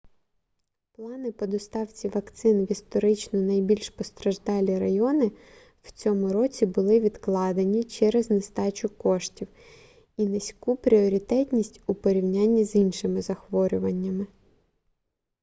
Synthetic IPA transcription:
plˠɑnɪpɔd̪ɔst̪ɑwt͡sʲiʋɐkt̪sɪnʋʲist̪ɔɾɪt͡ʃnɔnɐjbʲilʲʃpɔst̪ɾɐʒd̪ɑlʲiɾɐjɔnɪ | w̥t͡sʲɔmʊɾɔt͡sʲibʊlˠɪʋʲid̪klˠɑd̪enʲit͡ʃɛɾeznest̪ɑt͡ʃʊkɔʃtʲiw | inɐsʲkupɾʲiɔɾʲit̪ɛtʲnʲisʲtʲupɔɾʲiwnʲanʲːizinʃɪmɪzɐxʋɔɾʲʊʋɐnʲːɐmɪ

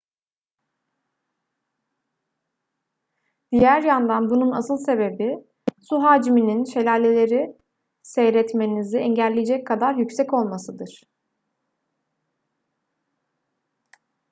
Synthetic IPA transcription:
d̪̥ijæɾjand̪anbununasɯlˠse̞be̞bi | suɦaːd͡ʒimininʃe̞lʲaːlʲelʲe̞ɾi | sɛjɾɛt̪me̞niziɛɲɟælʲːejed͡ʒɛckʰːad̪aɾjycsɛco̞lˠmasɯd̪ɯɾ̥

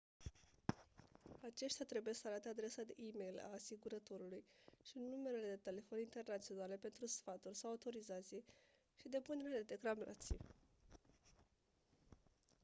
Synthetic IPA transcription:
at͡ʃe̞ʃt̪jat̪ɾe̞buje̞səaɾat̪ead̪ɾe̞səd̪ḛʔime̞jla̰ːsiɡuɾət̪o̞ɾulujʃiɨnːume̞ɾele̞d̪e̞t̪e̞le̞fo̞nint̪e̞rnat̪sio̞nale̞pe̞nt̪ɾusfat̪urʲsawawt̪o̞ɾizat̪sije | ʃid̪e̞pune̞ɾeed̪e̞kɾamla̰t̪sḭj

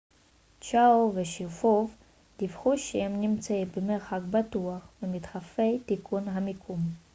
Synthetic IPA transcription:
t͡ʃaoveʃifuv | d̪̥ifχuʃeemnimt͡saimbemeʁxakbat̪uaχvemit̪χafejt̪ikʰunɦamikʰum

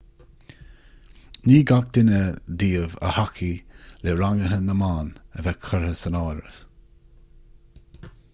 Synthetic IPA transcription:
niːɡak̚d̪̥ɪnəd̪iːəvə̰hakʰileɾaŋəɦənːəmaːnəvɛkʰəɹhəsənɔːɾə̰v̥

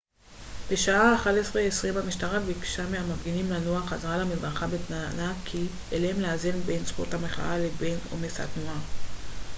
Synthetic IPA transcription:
b̥eʃaaːχalesʁeesʁimamiʃtaʁabikʃameamafɡinimlanoaχazʁalamizʁaχabetnanakʰi | elemleazenbe̞nsχuthameχa̰alebeno̰mesa̰tnoa

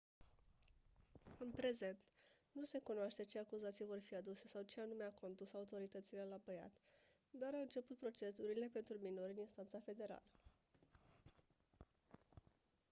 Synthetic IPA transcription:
ɨnpɾe̞ze̞nt̪ | nuse̞kunoaʃt̪e̞t͡ʃe̞akuzat̪sijvo̞rfiad̪use̞sawt͡ʃeanumeako̞nt̪usaut̪o̞ɾit̪ət̪sile̞lapəja̰t̪ | d̪aɾaɨnt͡ʃe̞put̪̚pɾo̞t͡ʃe̞suɾile̞pe̞nt̪ɾumino̞ɾʲɨninst̪ant̪safe̞d̪e̞ɾa̰lə

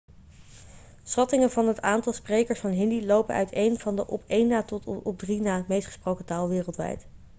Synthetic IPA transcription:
sχɑtɪŋənvɑnɦətaːntɑlˠsprejkəɹsfɑnɦɪndilowpənœ̰ɥtejnv̥ɑndəʔɔpejnaːtɔtɔb̚drinaːəmejstχə̥sprowkətaːlˠʋɪːrəlˠtʋɛ̰jt

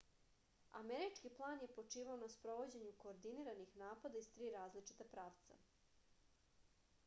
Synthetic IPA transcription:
a̰meɾit͡ʂkiplˠaːnje̞po̞t͡ʂiːʋaonaspɾo̞ʋo̞d͡ʑeɲuko̞ːɾd̪iniɾanixnaːpad̪aist̪ɾiːɾaːzlit͡ʂi̥t̪apɾaːʋt̪sa̰

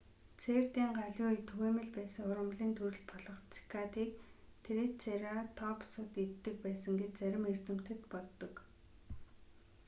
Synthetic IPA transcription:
t͡sʰeːrt̪iːŋɢaɮʲʊːit̪ʰɵɣeːmɘ̆ɮpæːsə̆ŋʊɾə̆mɮiːnt̪ʰuɾɘ̆ɮpʰɔɮɞ̆χt͡si̥kʰat̪iːk̚t̪ʰeɾĕt͡sʰeɾat̪ʰɔpsʊt̪it̪ːɘ̆k̚pæːsə̆ŋɡet͡ɕt͡sæɾʲɪ̆mert̪ɘ̆m̥t̪ɘ̆t̪pɔt̪ːɞ̆k

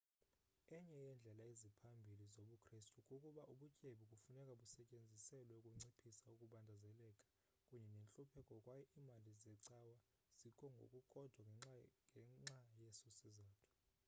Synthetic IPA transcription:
ɛɲɛjɛnd͡ɮʱɛlaizipʰambʱilizoɓukʰristʼukʼukʼuɓaʔuɓucʼeɓik̬ʼufunɛkʼaɓusɛcʼend͡zʱisɛlwɛukʼuŋ͡ǀipʰisaukʼuɓandʱazɛlɛkʼḁ | kʼuɲɛnent͡ɬʼupʰɛkʼɔkʼwajɔʔimalizɛǀawa | z̥ikʰɔŋɡʱo̰kʼukʼɔd̥ʱwaŋʱɛŋ͡ǀajesosizaːtʰu̥

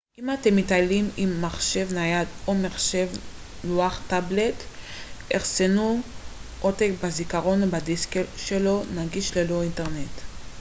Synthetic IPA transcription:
ʔimatemːitalimimːaχʃe̞vnajad̪omeχʃe̞v | luaχtable̞t | eʁsenu | ʔotekbazikaʁo̞nbadiskelʃe̞lo̞naɡiʃlelo̞inteʁnet

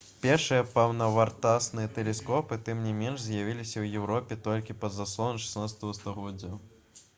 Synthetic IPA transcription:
pʲɛrʂɨjɐpɐwnɐvart̪asnɨjɐt̪ɛlʲɛskɔpɨt̪ɨmnʲɛmʲɛnʂzʲjavʲilʲisʲɐwjɛwɾɔpʲɛt̪ɔlʲkʲipɐzaslˠɔnʂɨ̥snat̪sɐ̥t̪ɐvɐst̪ɐɣɔdʲːɐ

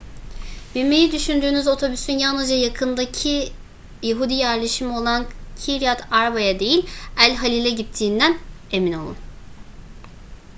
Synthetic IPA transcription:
b̥iɾme̞jid̪yʃynd̪yːnyzo̞t̪ʰo̞bysynjalnɯzd͡ʒajakʰɯnd̪acʰi | jaɦud̪ijæɾlʲeʃimo̞lˠancʰiɾijat̪ʰaɾabajad̪e̞jilʲælʲɦalʲilʲɛɟit̪ʰːiːnd̪æne̞mino̞̰lˠṵn

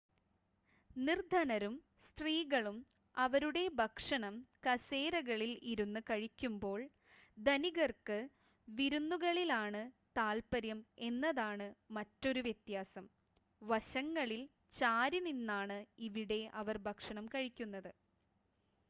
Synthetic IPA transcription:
nird̪ʱɐnɐɾum | st̪riːɣɐɭum | ɐʋɐɾuɽe̞bʱɐkʂɐɳɐmkɐse̞ːɾɐɣɐɭiliɾunːukɐɻikʲːumbo̞ːɭ | d̪ɐniɣɐrkɨ | ʋiɾunːuɣɐɭilaːɳɨt̪aːlpɐɾjɐme̞nːɐðaːɳɨmɐtːo̞ɾuʋjet̪jaːsɐm | ʋɐɕɐŋːɐɭil | t͡ɕaːɾininːaːɳɨiʋiɽe̞ʔɐʋɐrbʱɐkʂɐɳɐmkɐɻikʲːunːɐðɨ

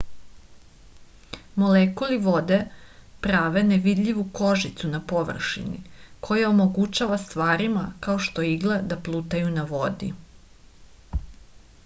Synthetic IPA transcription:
mo̞lekuliʋo̞d̪epɾaːʋeneʋid̪ʎiʋuko̞ʒit̪sunapo̞ʋr̩ʃḭnḭkʰo̞jaomoɡut͡ɕaʋast̪ʋaːɾimakao̞ʃt̪o̞iɡled̪aplˠut̪ajunaʋo̞d̪ḭ

